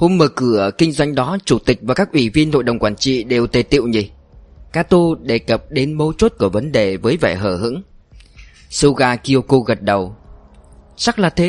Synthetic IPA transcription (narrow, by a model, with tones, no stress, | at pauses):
ho˧mməː˨˩kɨ˧˩əkï˧ŋ̟zwa˧jŋ̟ɗɔ˨˦t͡ɕu˧˩t̪ï˨˩k̚vaː˨˩kaː˦˥k̚ʔi˧˩vi˧ənho̰˧˨jɗə˨˩wŋ͡mkwaː˧˩nt͡ɕḭ˧˨ɗe˨˩wt̪e˨˩t̪ḭ˧˨əwɲi˨˩ | kaː˧t̪o˧ɗe˧˩kə˨˩p̚ɗe˨˦nmə˨˦wt͡ɕo˦˥t̚ku˧˩əvə˨˦nɗe˨˩vəː˨˦jvɛ̰ː˧˩ɦəː˧˩ɦɨ̰˧˥ŋ | sɨ˧ɣaː˧ki˧o˧ko˧ɣə˨˩t̚ɗə˨˩w | t͡ɕa˦˥k̚laː˨˩t̪ʰe˨˦